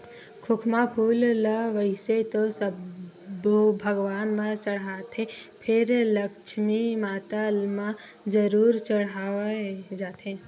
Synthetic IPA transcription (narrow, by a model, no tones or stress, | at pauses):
kʰʊkʰmapʰuːllʋəɪset̪osə | bbʱəɡʋaːnmãt͡ʃəɽaːt̪ẽ | pʰɪɾləkʃmimaːt̪almã | d͡ʒəɾuːɾt͡ʃəɽaːed͡ʒaːt̪ẽ